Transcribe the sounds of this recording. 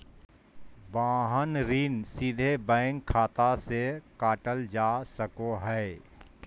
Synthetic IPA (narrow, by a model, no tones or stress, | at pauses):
bãːɦənɾiːnsid̪ʱebɛ̃ːŋɡʰaːt̪asekaːʈəld͡ʒaːsəkoɦɛː